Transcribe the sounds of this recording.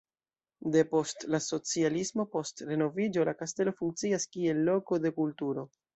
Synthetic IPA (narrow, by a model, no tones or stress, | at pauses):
d̪e̞po̞stlaso̞t͡sialismo̞po̞stɾe̞no̞vid͡ʒo̞lakaste̞lo̞fuŋk̚t͡siaskie̞lːo̞ko̞de̞kultuɾo̞